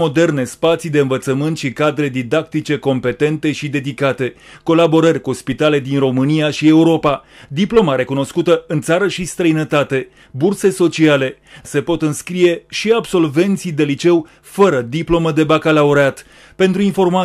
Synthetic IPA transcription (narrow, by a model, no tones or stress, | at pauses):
o̞d̪e̞rne̞spat̪sijd̪eɨnvət̪səmɨnt̪ʃikad̪ɾe̞d̪id̪ak̚t̪it͡ʃe̞ko̞mpe̞t̪e̞nt̪e̞ʃid̪e̞d̪ikat̪e̞ | ko̞labo̞ɾərʲkuspit̪ale̞d̪inro̞mɨniaʃie̞uɾo̞pa | d̪iplo̞maɾe̞kuno̞skut̪əɨnt̪saɾəʃist̪ɾəjnət̪at̪e̞ | burse̞so̞t͡ʃiale̞ | se̞po̞t̪ɨnskɾije̞ʃiabso̞lve̞nt̪sijd̪e̞lit͡ʃe̞w | fəɾəd̪iplo̞məd̪e̞bakalauɾeat̪ | pe̞nt̪ɾuinfo̞rma